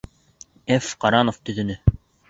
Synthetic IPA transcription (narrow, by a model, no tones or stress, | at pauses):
efqɑɾɑnoft̪ɵ̆ðɵ̆nɘ